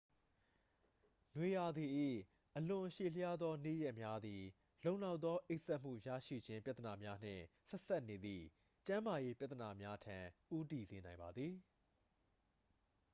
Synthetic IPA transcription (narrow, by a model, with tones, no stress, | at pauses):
nwe˨ja˨d̪i˨ʔḭ˦˨ | ʔəlʊ̃˨ʔəʃe˨lə˦ja˦d̪ðɔ˦nḛ˦˨jɛ˦ʔmja˦d̪i˨ | lõ˦˨ʊ̃la˦ʊʔt̪ːɔ˦ʔe˦ɪʔsɛ˦ʔm̥ṵ˦˨ja̰˦˨ʃḭ˦˨d͡ʑɪ̃˦mpja˦t̪əna˨mja˦n̥ɪ̰̃˦˨sɛ˦ʔsa˦ʔne˨d̪ðḭ˨ | t͡ɕã˦ma˨je˦pja˦t̪ːə˨na˨mja˦tʰã˨ʔu˦ti˨ze˨nã˨ɪ̃mba˨d̪ði˨